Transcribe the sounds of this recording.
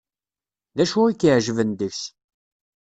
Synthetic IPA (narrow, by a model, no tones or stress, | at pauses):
ðæʃuikːiʕʒvənd̪əçç